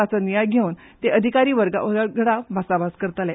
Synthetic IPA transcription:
at͡sənijajɡʱeuːn | t̪eʔəd̪ʱikaɾiːʋəɾɡa̰əɡəɽabʱasabaskəɾt̪alɛ

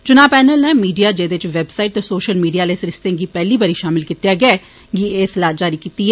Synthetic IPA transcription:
t͡ʃʊnaːpɛːnəlnɛ̃ːmiːɖijaːd͡ʒeːd̪eɪt͡ʃʋebsaːɪʈ̚t̪esoːʃəlmiːɖiaːlesɾɪst̪ẽːɡipɛːlibaːɾiːʃaːmɪlkit̪jaːɡɪɛː | ɡieːsɪlaːd͡ʒd͡ʒaːɾikiːt̪iɦɛː

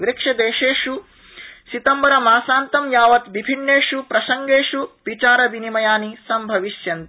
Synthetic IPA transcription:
ʋɾekʂɐd̪eːʃeːʃu | sit̪ɐmbɐɾɐmaːsaːnt̪ɐmjaːʋɐt̪ʋibʱinːeːʃupɾɐsɐŋɡeːʃuʋit͡ʃaːɾɐbinimɐjaːnisɐmbʱɐʋiʃjɐnt̪

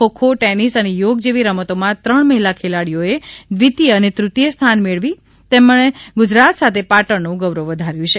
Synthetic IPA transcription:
okʰoʈenisənejoɡd͡ʒeʋiɾəmət̪omãt̪ɾəɳməɦilakʰelaɽijoed̪ʋit̪ijəənet̪ɾut̪jəst̪ʰanmeɭʋi | t̪emɭeɡʊd͡ʒɾat̪sat̪ʰepaʈəɳːũɡəʋɾoʋəd̪ʱaɾjũt͡ʃʰe

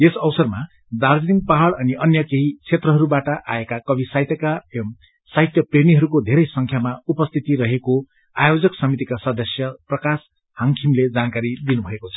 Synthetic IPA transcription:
esʌwsʌrma | d̪ard͡zniŋɡpaɦaɽʌniʔʌnjʌkeɦit͡sʰet̪rʌɦʌɾubaʈʌʔa̰ekakʌbʱisaɦit̪jʌka | saɦit̪jʌpreniɦʌɾukod̪ʱeɾʌjsʌŋkʰjamaupʌst̪ʰit̪iɾʌɦeko | ajod͡zʌksʌmit̪ikasʌd̪ʌsjʌprʌkas | hʌŋkʰimled͡zankaɾid̪inubʱʌekot͡sʰʌ̥

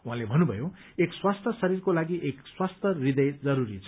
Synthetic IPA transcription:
wuɦãlebʱʌnːubʱʌ̰jo | ekswast̪ʰʌsʌɾirkolaɡiʔekswast̪ʰʌrid̪ʌjd͡zʌɾuɾit͡sʰ

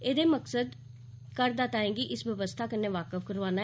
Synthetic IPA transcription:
eːd̪eːməksəd̪ | kəɾd̪aːt̪aːɦɛ̃ːɡiʔɪsʋəʋəst̪ʰaːkəneːʋaːkəfkəɾʋaːnaː

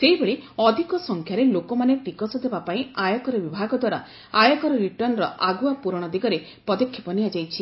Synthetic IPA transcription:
seibeɭeɔd̪ʱikɔsɔŋkʰjaɾelokɔmanepɾikɔsɔd̪ebapaĩajɔkɔɾɔbibʱaɡɔd̪waɾa̰ | ajɔkɔɾɔɾiʈɔnɾɔʔaɡuapuɾɔɽ̃ɔd̪iɡɔɾe | pɔd̪ɔkʰjɔpɔniad͡ʒajt͡ʃʰi

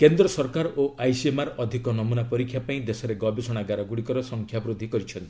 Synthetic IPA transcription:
kend̪ɾɔsɔɾkaɾoʔajsiemaɾɔd̪ʱikɔnɔmunapɔɾikʰːjapaĩd̪esɔɾeɡɔbisɔɽ̃aɡaɾɔɡuɽikɔɾɔsɔŋkʰjabɾud̪ʱːikɔɾit͡ʃʰɔnt̪i̥

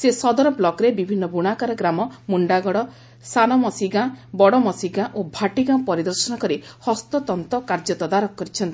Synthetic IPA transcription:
sesɔd̪ɔɾɔblɔkɾebibʱinːɔbuɽ̃akaɾɔɡɾamɔmuɳɖaɡɔɽɔ | sanɔmɔsiɡãbɔɽɔmɔsiɡãʔobʱaʈiɡãpɔɾid̪ɔɾsɔnɔkɔɾihɔst̪ɔt̪ɔnt̪ɔkaɾd͡ʒɔt̪ɔd̪aɾɔkkːɔɾit͡ʃʰɔnt̪i̥

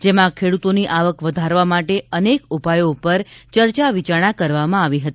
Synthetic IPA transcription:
d͡ʒemãkʰeɽut̪oniʔaʋəkʋəd̪ʱaɾʋamaʈeənekupajoupəɾt͡ʃəɾt͡ʃaʋit͡ʃaɽ̃akəɾʋamãaʋiɦət̪i

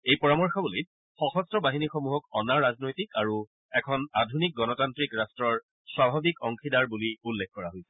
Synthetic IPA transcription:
ejpɔɹamɔɹxʰɔbulejt | xɔxɔstɹɔbaɦinixɔmuɦɔkɔnaɹːaznojtikaɹu | ɛkʰɔnadʱunik̚ɡɔnɔtantɹikɹastɹɔɹ | swabʱabikɔŋkʰidaɹbuliulːek̚ʰkɔɹaɦojsɛ

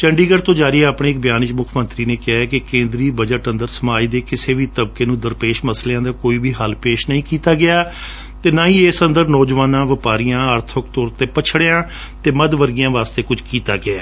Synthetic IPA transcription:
t͡ʃəɳɖiːɡəɽt̪õːd͡ʒaːɾiːɛaːpɳeːɪk̚bjaːnɪt͡ʃmʊkʰmənt̪ɾiːneːkɪaːɛkɪkẽːnd̪ɾiːbəd͡ʒəʈə̃nd̪əɾsəmaːiːd̪eːkɪseːʋiːt̪əbkeːnũːd̪əɾpeːʃməsleãːd̪aːkoːiːbiːɦəlpeːʃnəĩːkiːt̪aːɡɪaː | t̪eːnãːĩːesənd̪əɾnɔːd͡ʒʋaːnãːʋɪpaːɾijãːəɾt̪ʰʊk̚t̪oːɾt̪eːpət͡ʃʰɽeːãː | t̪eːməd̪ʋəɾɡijãːʋaːst̪eːkʊd͡ʒkiːt̪a̰ːɡɪɛː

